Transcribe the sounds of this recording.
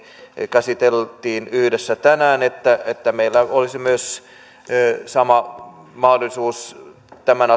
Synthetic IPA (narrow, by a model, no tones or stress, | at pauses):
kæsit̪elt̪iːnyhdesːæt̪ænæːnet̪ːæet̪ːæmeilːæolisimyøs | sɑmɑ | mɑhdolˑisuːs | t̪æmænɑ